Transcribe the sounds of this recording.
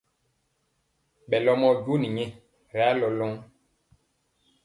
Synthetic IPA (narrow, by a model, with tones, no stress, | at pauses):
ɓɛ˨lɔ˦mɔ˦ɟo˦ni˨ɲɛ̃˨ | ɾlɔ˨lɔ̃˦ŋ